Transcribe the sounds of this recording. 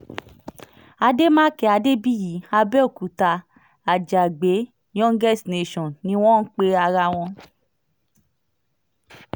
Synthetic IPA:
a˧de˦mã˦kɛ˧˦a˨˧de˦bi˦ji˨˦a˧bɛ˦o˦˨ku˨ta˧ | a˨d͡ʒa˨ɡ͡be˨˦ | j̃ɔ̃˦ŋ̩˦ɡɛ˦˨sne˨ʃɔ̃˨nnĩ˧˦w̃ɔ̃˦˨n̩˦k͡pe˧a˧ɾa˧w̃ɔ̃˧

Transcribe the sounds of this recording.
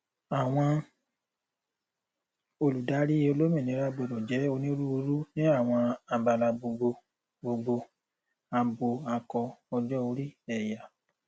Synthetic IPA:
a˨w̃ɔ̃˧ | o˧lu˨da˨˦ɾi˦e˧o˧lo˦mĩ˦˨nĩ˨˦ɾa˧˦ɡ͡bo˨ɾɔ̃˨d͡ʒɛ˨˦o˧nĩ˦ɾu˦u˧˦ɾu˦nĩ˦a˦˨w̃ɔ̃˧a˧ba˨la˧bo˧ɡ͡bo˧ | bo˧ɡ͡bo˧ | a˧bo˧a˧kɔ˧ɔ˧d͡ʒɔ˦o˧˦ɾi˦ɛ˦˨ja˨

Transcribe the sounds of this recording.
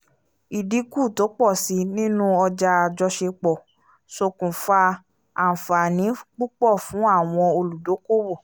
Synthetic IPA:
i˨di˨˦ku˦˨to˨˦k͡pɔ˦˨si˧nĩ˦nũ˦ɔ˧d͡ʒa˧a˧d͡ʒɔ˧ʃe˧k͡pɔ˨ | so˧˨kũ˨fa˧ | a˨fa˨nĩ˨˦k͡pu˦k͡pɔ˦˨fũ˨˦a˦˨w̃ɔ̃˧o˧lu˨do˨˦ko˦wɔ˦˨

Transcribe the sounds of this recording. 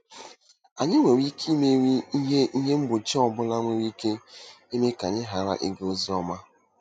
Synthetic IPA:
a˨ɲɪ˦ŋʷe˨wi˦kʰi˦me˦ɾi˦i˦ɦe˦i˦ɦe˦m̩˦bʊ˨t͡ʃi˦ɔ˨bʊ˦la˦ŋʷe˨wi˦ke˦ | i˦me˦ka˨ɲɪ˦ɦa˨ɾa̰˦ʔi˦ɡo˦zi˦ɔ˦ma˦

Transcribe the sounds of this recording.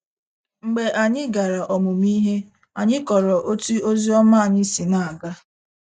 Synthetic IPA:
ŋ͡m̩˨ɡ͡be˨ʔa˨ɲɪ˦ɡa˨ɾa˨ʔɔ˨mʊ˨mi˦ɦe˦ | a˨ɲɪ˦kɔ˨ɾɔ˨ʔo˦ti˦o˦zi˦ɔ˦ma˦a˨ɲɪ˦si˨na˨a˨ɡa˦

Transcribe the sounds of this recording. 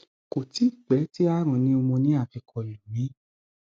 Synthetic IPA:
ko˨ti˨˦˨k͡pɛ˨˦ti˦a˦ɾ̃ɔ̃˨˧˨nĩ˦o˧mõ˧nĩ˦a˦˨fi˧kʰɔ˨lu˨mĩ˨˦

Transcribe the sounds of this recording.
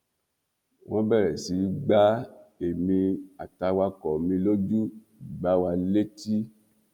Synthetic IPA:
wʔɔ̃˦bɛ˦˨ɾɛ˨si˨˦ɡ͡ba˦e˨mĩ˧a˨ta˧wa˧kɔ˨mĩ˧lo˦du˦ | i˨ɡ͡ba˨˦wa˧le˦ti˦

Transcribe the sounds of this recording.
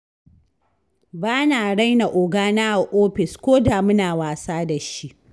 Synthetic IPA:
baː˦naː˨ɽa˦jna˨ʔoː˨ɡaː˦na˦a˨ʔoː˦ɸɪ˨skʷoː˦daː˨mʊ˦naː˨waː˨saː˦da˨ʃi˦ʔ

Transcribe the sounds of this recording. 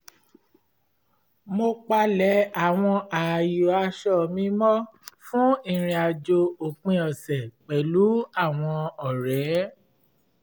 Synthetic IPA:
mo˧k͡pa˧lɛ˨˦a˨w̃ɔ̃˧a˨jo˨a˧ʃɔ˦˨mĩ˦mɔ̃˦fũ˦ĩ˦˨ɾ̃ĩ˧a˨d͡ʒo˧o˨k͡pĩ˧ɔ˨sɛ˨k͡pɛ˨lu˨˦a˦˨w̃ɔ̃˧ɔ˨ɾɛ˨˦

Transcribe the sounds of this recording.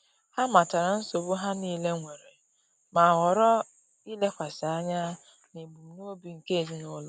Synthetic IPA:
ha˦ma˨ta˨ɾa˨n̩˦so˨bʊ˦ɦa˦niː˦le˦ŋʷe˨ɾe˨ | ma˨ɣɔ˨ɾɔ˦ | i˦le˦kʷa˨sɪ˨a˦ɲa˦ | ne˨ɡ͡bu˨nu˦o˦bi˨ŋ̩˨ke˦e˨zi˦nʊ˦l

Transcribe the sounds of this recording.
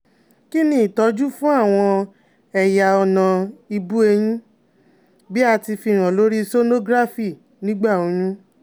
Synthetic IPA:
ki˦nĩ˦i˨tɔ˧˦d͡ʒu˦fũ˦a˦˨w̃ɔ̃˧ | ɛ˨ja˨ɔ˧nã˨i˧bu˦e˧j̃ĩ˦ | bi˦a˧ti˧fi˧˨ɾ̃ã˨lo˦ɾi˦so˦no˦ɡɾa˦fi˦˨ | nĩ˦ɡ͡ba˦˨o˨˦jũ˦

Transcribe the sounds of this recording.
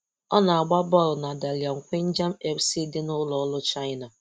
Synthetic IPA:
ɔ˦na˨a˨ɡ͡ba˦bɔ˦˨ɾʊ˨na˨da˨lja˨ŋ̩˨kʷe˦n̩˦d͡ʒa˦m̩˦e˨ksi˦dɪ˦nʊ˦lɔ˨˦lʊ˦t͡ʃa˦ɪ˦na˨

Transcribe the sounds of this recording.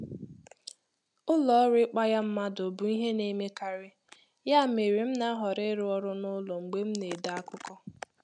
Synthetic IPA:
ʊ˦lɔ˦ɾɪ˦k͡pa˦ja˦m̩˦ma˦do˨bu˨i˦ɦe˦ne˦me˦ka˨ɾɪ˦ | ja˦˨me˨ɾi˨m̩˦na˦ɦɔ˨ɾɪ˦ɾʊ˦ɔ˦ɾʊ˦nʊ˦lɔ˨ŋ͡m̩˨ɡ͡be˦m̩˦ne˨da˨a˦kʊ˦kɔ˦

